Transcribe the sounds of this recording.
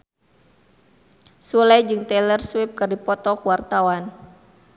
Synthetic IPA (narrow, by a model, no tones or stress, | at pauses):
sulajd͡ʒɨŋt̪ɛlərswɪp̚kɨrdipɔt̪ɔkuwart̪awan